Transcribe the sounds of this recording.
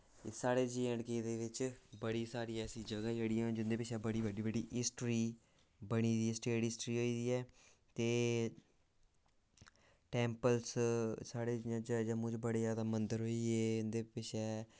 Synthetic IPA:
saːɽeːd͡ʒiːə̃ɽkeːd̪eːʋɪt͡ʃbəɽiːsaːɾiːɛːəsĩːd͡ʒəɡaːd͡ʒeːɽɪjãd͡ʒɪnd̪eːpɪʃʰɛːbəɽiːbəɖiːbəɖiːɦɪsʈɾiː | bəɽ̃iːd̪iːɛsʈeːʈɪsʈɾiːɦoːiːd̪iːɛːt̪eː | ʈɛ̃ːmpəlssaːɽeːd͡ʒɪãːd͡ʒd͡ʒəmʊ̃ːd͡ʒbəɽeːd͡ʒaːd̪aːmənd̪əɾɦoːiːeːʊnd̪eːpɪʃʰɛː

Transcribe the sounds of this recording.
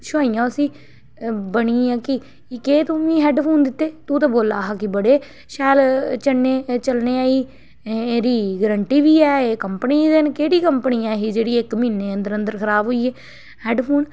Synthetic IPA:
ʃaːijãːsĩː | bəɳĩːãːkɪ | keːt̪õːmĩːɦɛːɖpʰoːnd̪ɪt̪ːeːt̪ũːt̪ãːboːlaːɦaːkɪbəɽeː | ʃɛːlt͡ʃəneːt͡ʃəlneːaːiː | eːɾiːɡɾəɳʈiːʋiːɛːeːkəmpəniːd̪ɪnkeːɽiːkəmpəniːãːɦiːd͡ʒeːɽiːɪkmĩːnːeːənd̪əɾənd̪əɾkʰəɾaːbɦoːiːeː | hɛːɖpʰoːn

